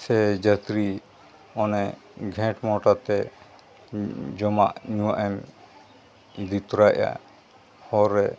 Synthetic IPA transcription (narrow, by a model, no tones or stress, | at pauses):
sɛd͡ʒət̪ɾi | ɔnɛɡʱɛ̃ʈmɔʈat̪ɛ | d͡ʒɔmaʔɲuwaʔɛm | d̪it̪ɾaa̰ | hɔɾɛ